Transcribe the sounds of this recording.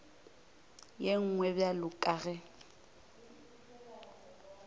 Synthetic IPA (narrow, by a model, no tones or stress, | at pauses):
jeŋ̩ŋwɛbjalʊkʼaɣɛ